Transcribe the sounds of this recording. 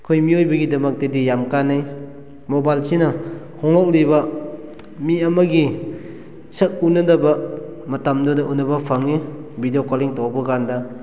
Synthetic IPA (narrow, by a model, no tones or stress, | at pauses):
kʰojmiojbɐɡidɐmɐk̚tɐdijamkanːaj | mobajlsinɐ | hɔŋlɔk̚libɐ | miɐmɐɡi | sɐk̚unɐnɐbɐmɐtamdɔdɐʔunːɐbɐpʰaŋibidijokoliŋtɔwbɐɡandɐ